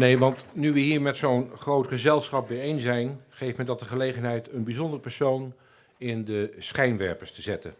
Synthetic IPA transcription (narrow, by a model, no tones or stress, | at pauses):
nejʋɑntnyʋəɦiːɹmɛtsownχrowtχəzɛlˠsχɑp̚bejejnsɛjnχejfmɛndɑt̚dəχəlejχənɦɛjtənbizɔndərəpɛɹsown | ɪndəsχɛjnʋɛ̰ɹpəɹstəzɛtə̰n